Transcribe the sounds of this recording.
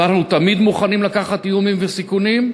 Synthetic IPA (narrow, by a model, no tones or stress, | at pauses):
naχnut̪amid̪muχanimlakaχat̪iumimvesikunim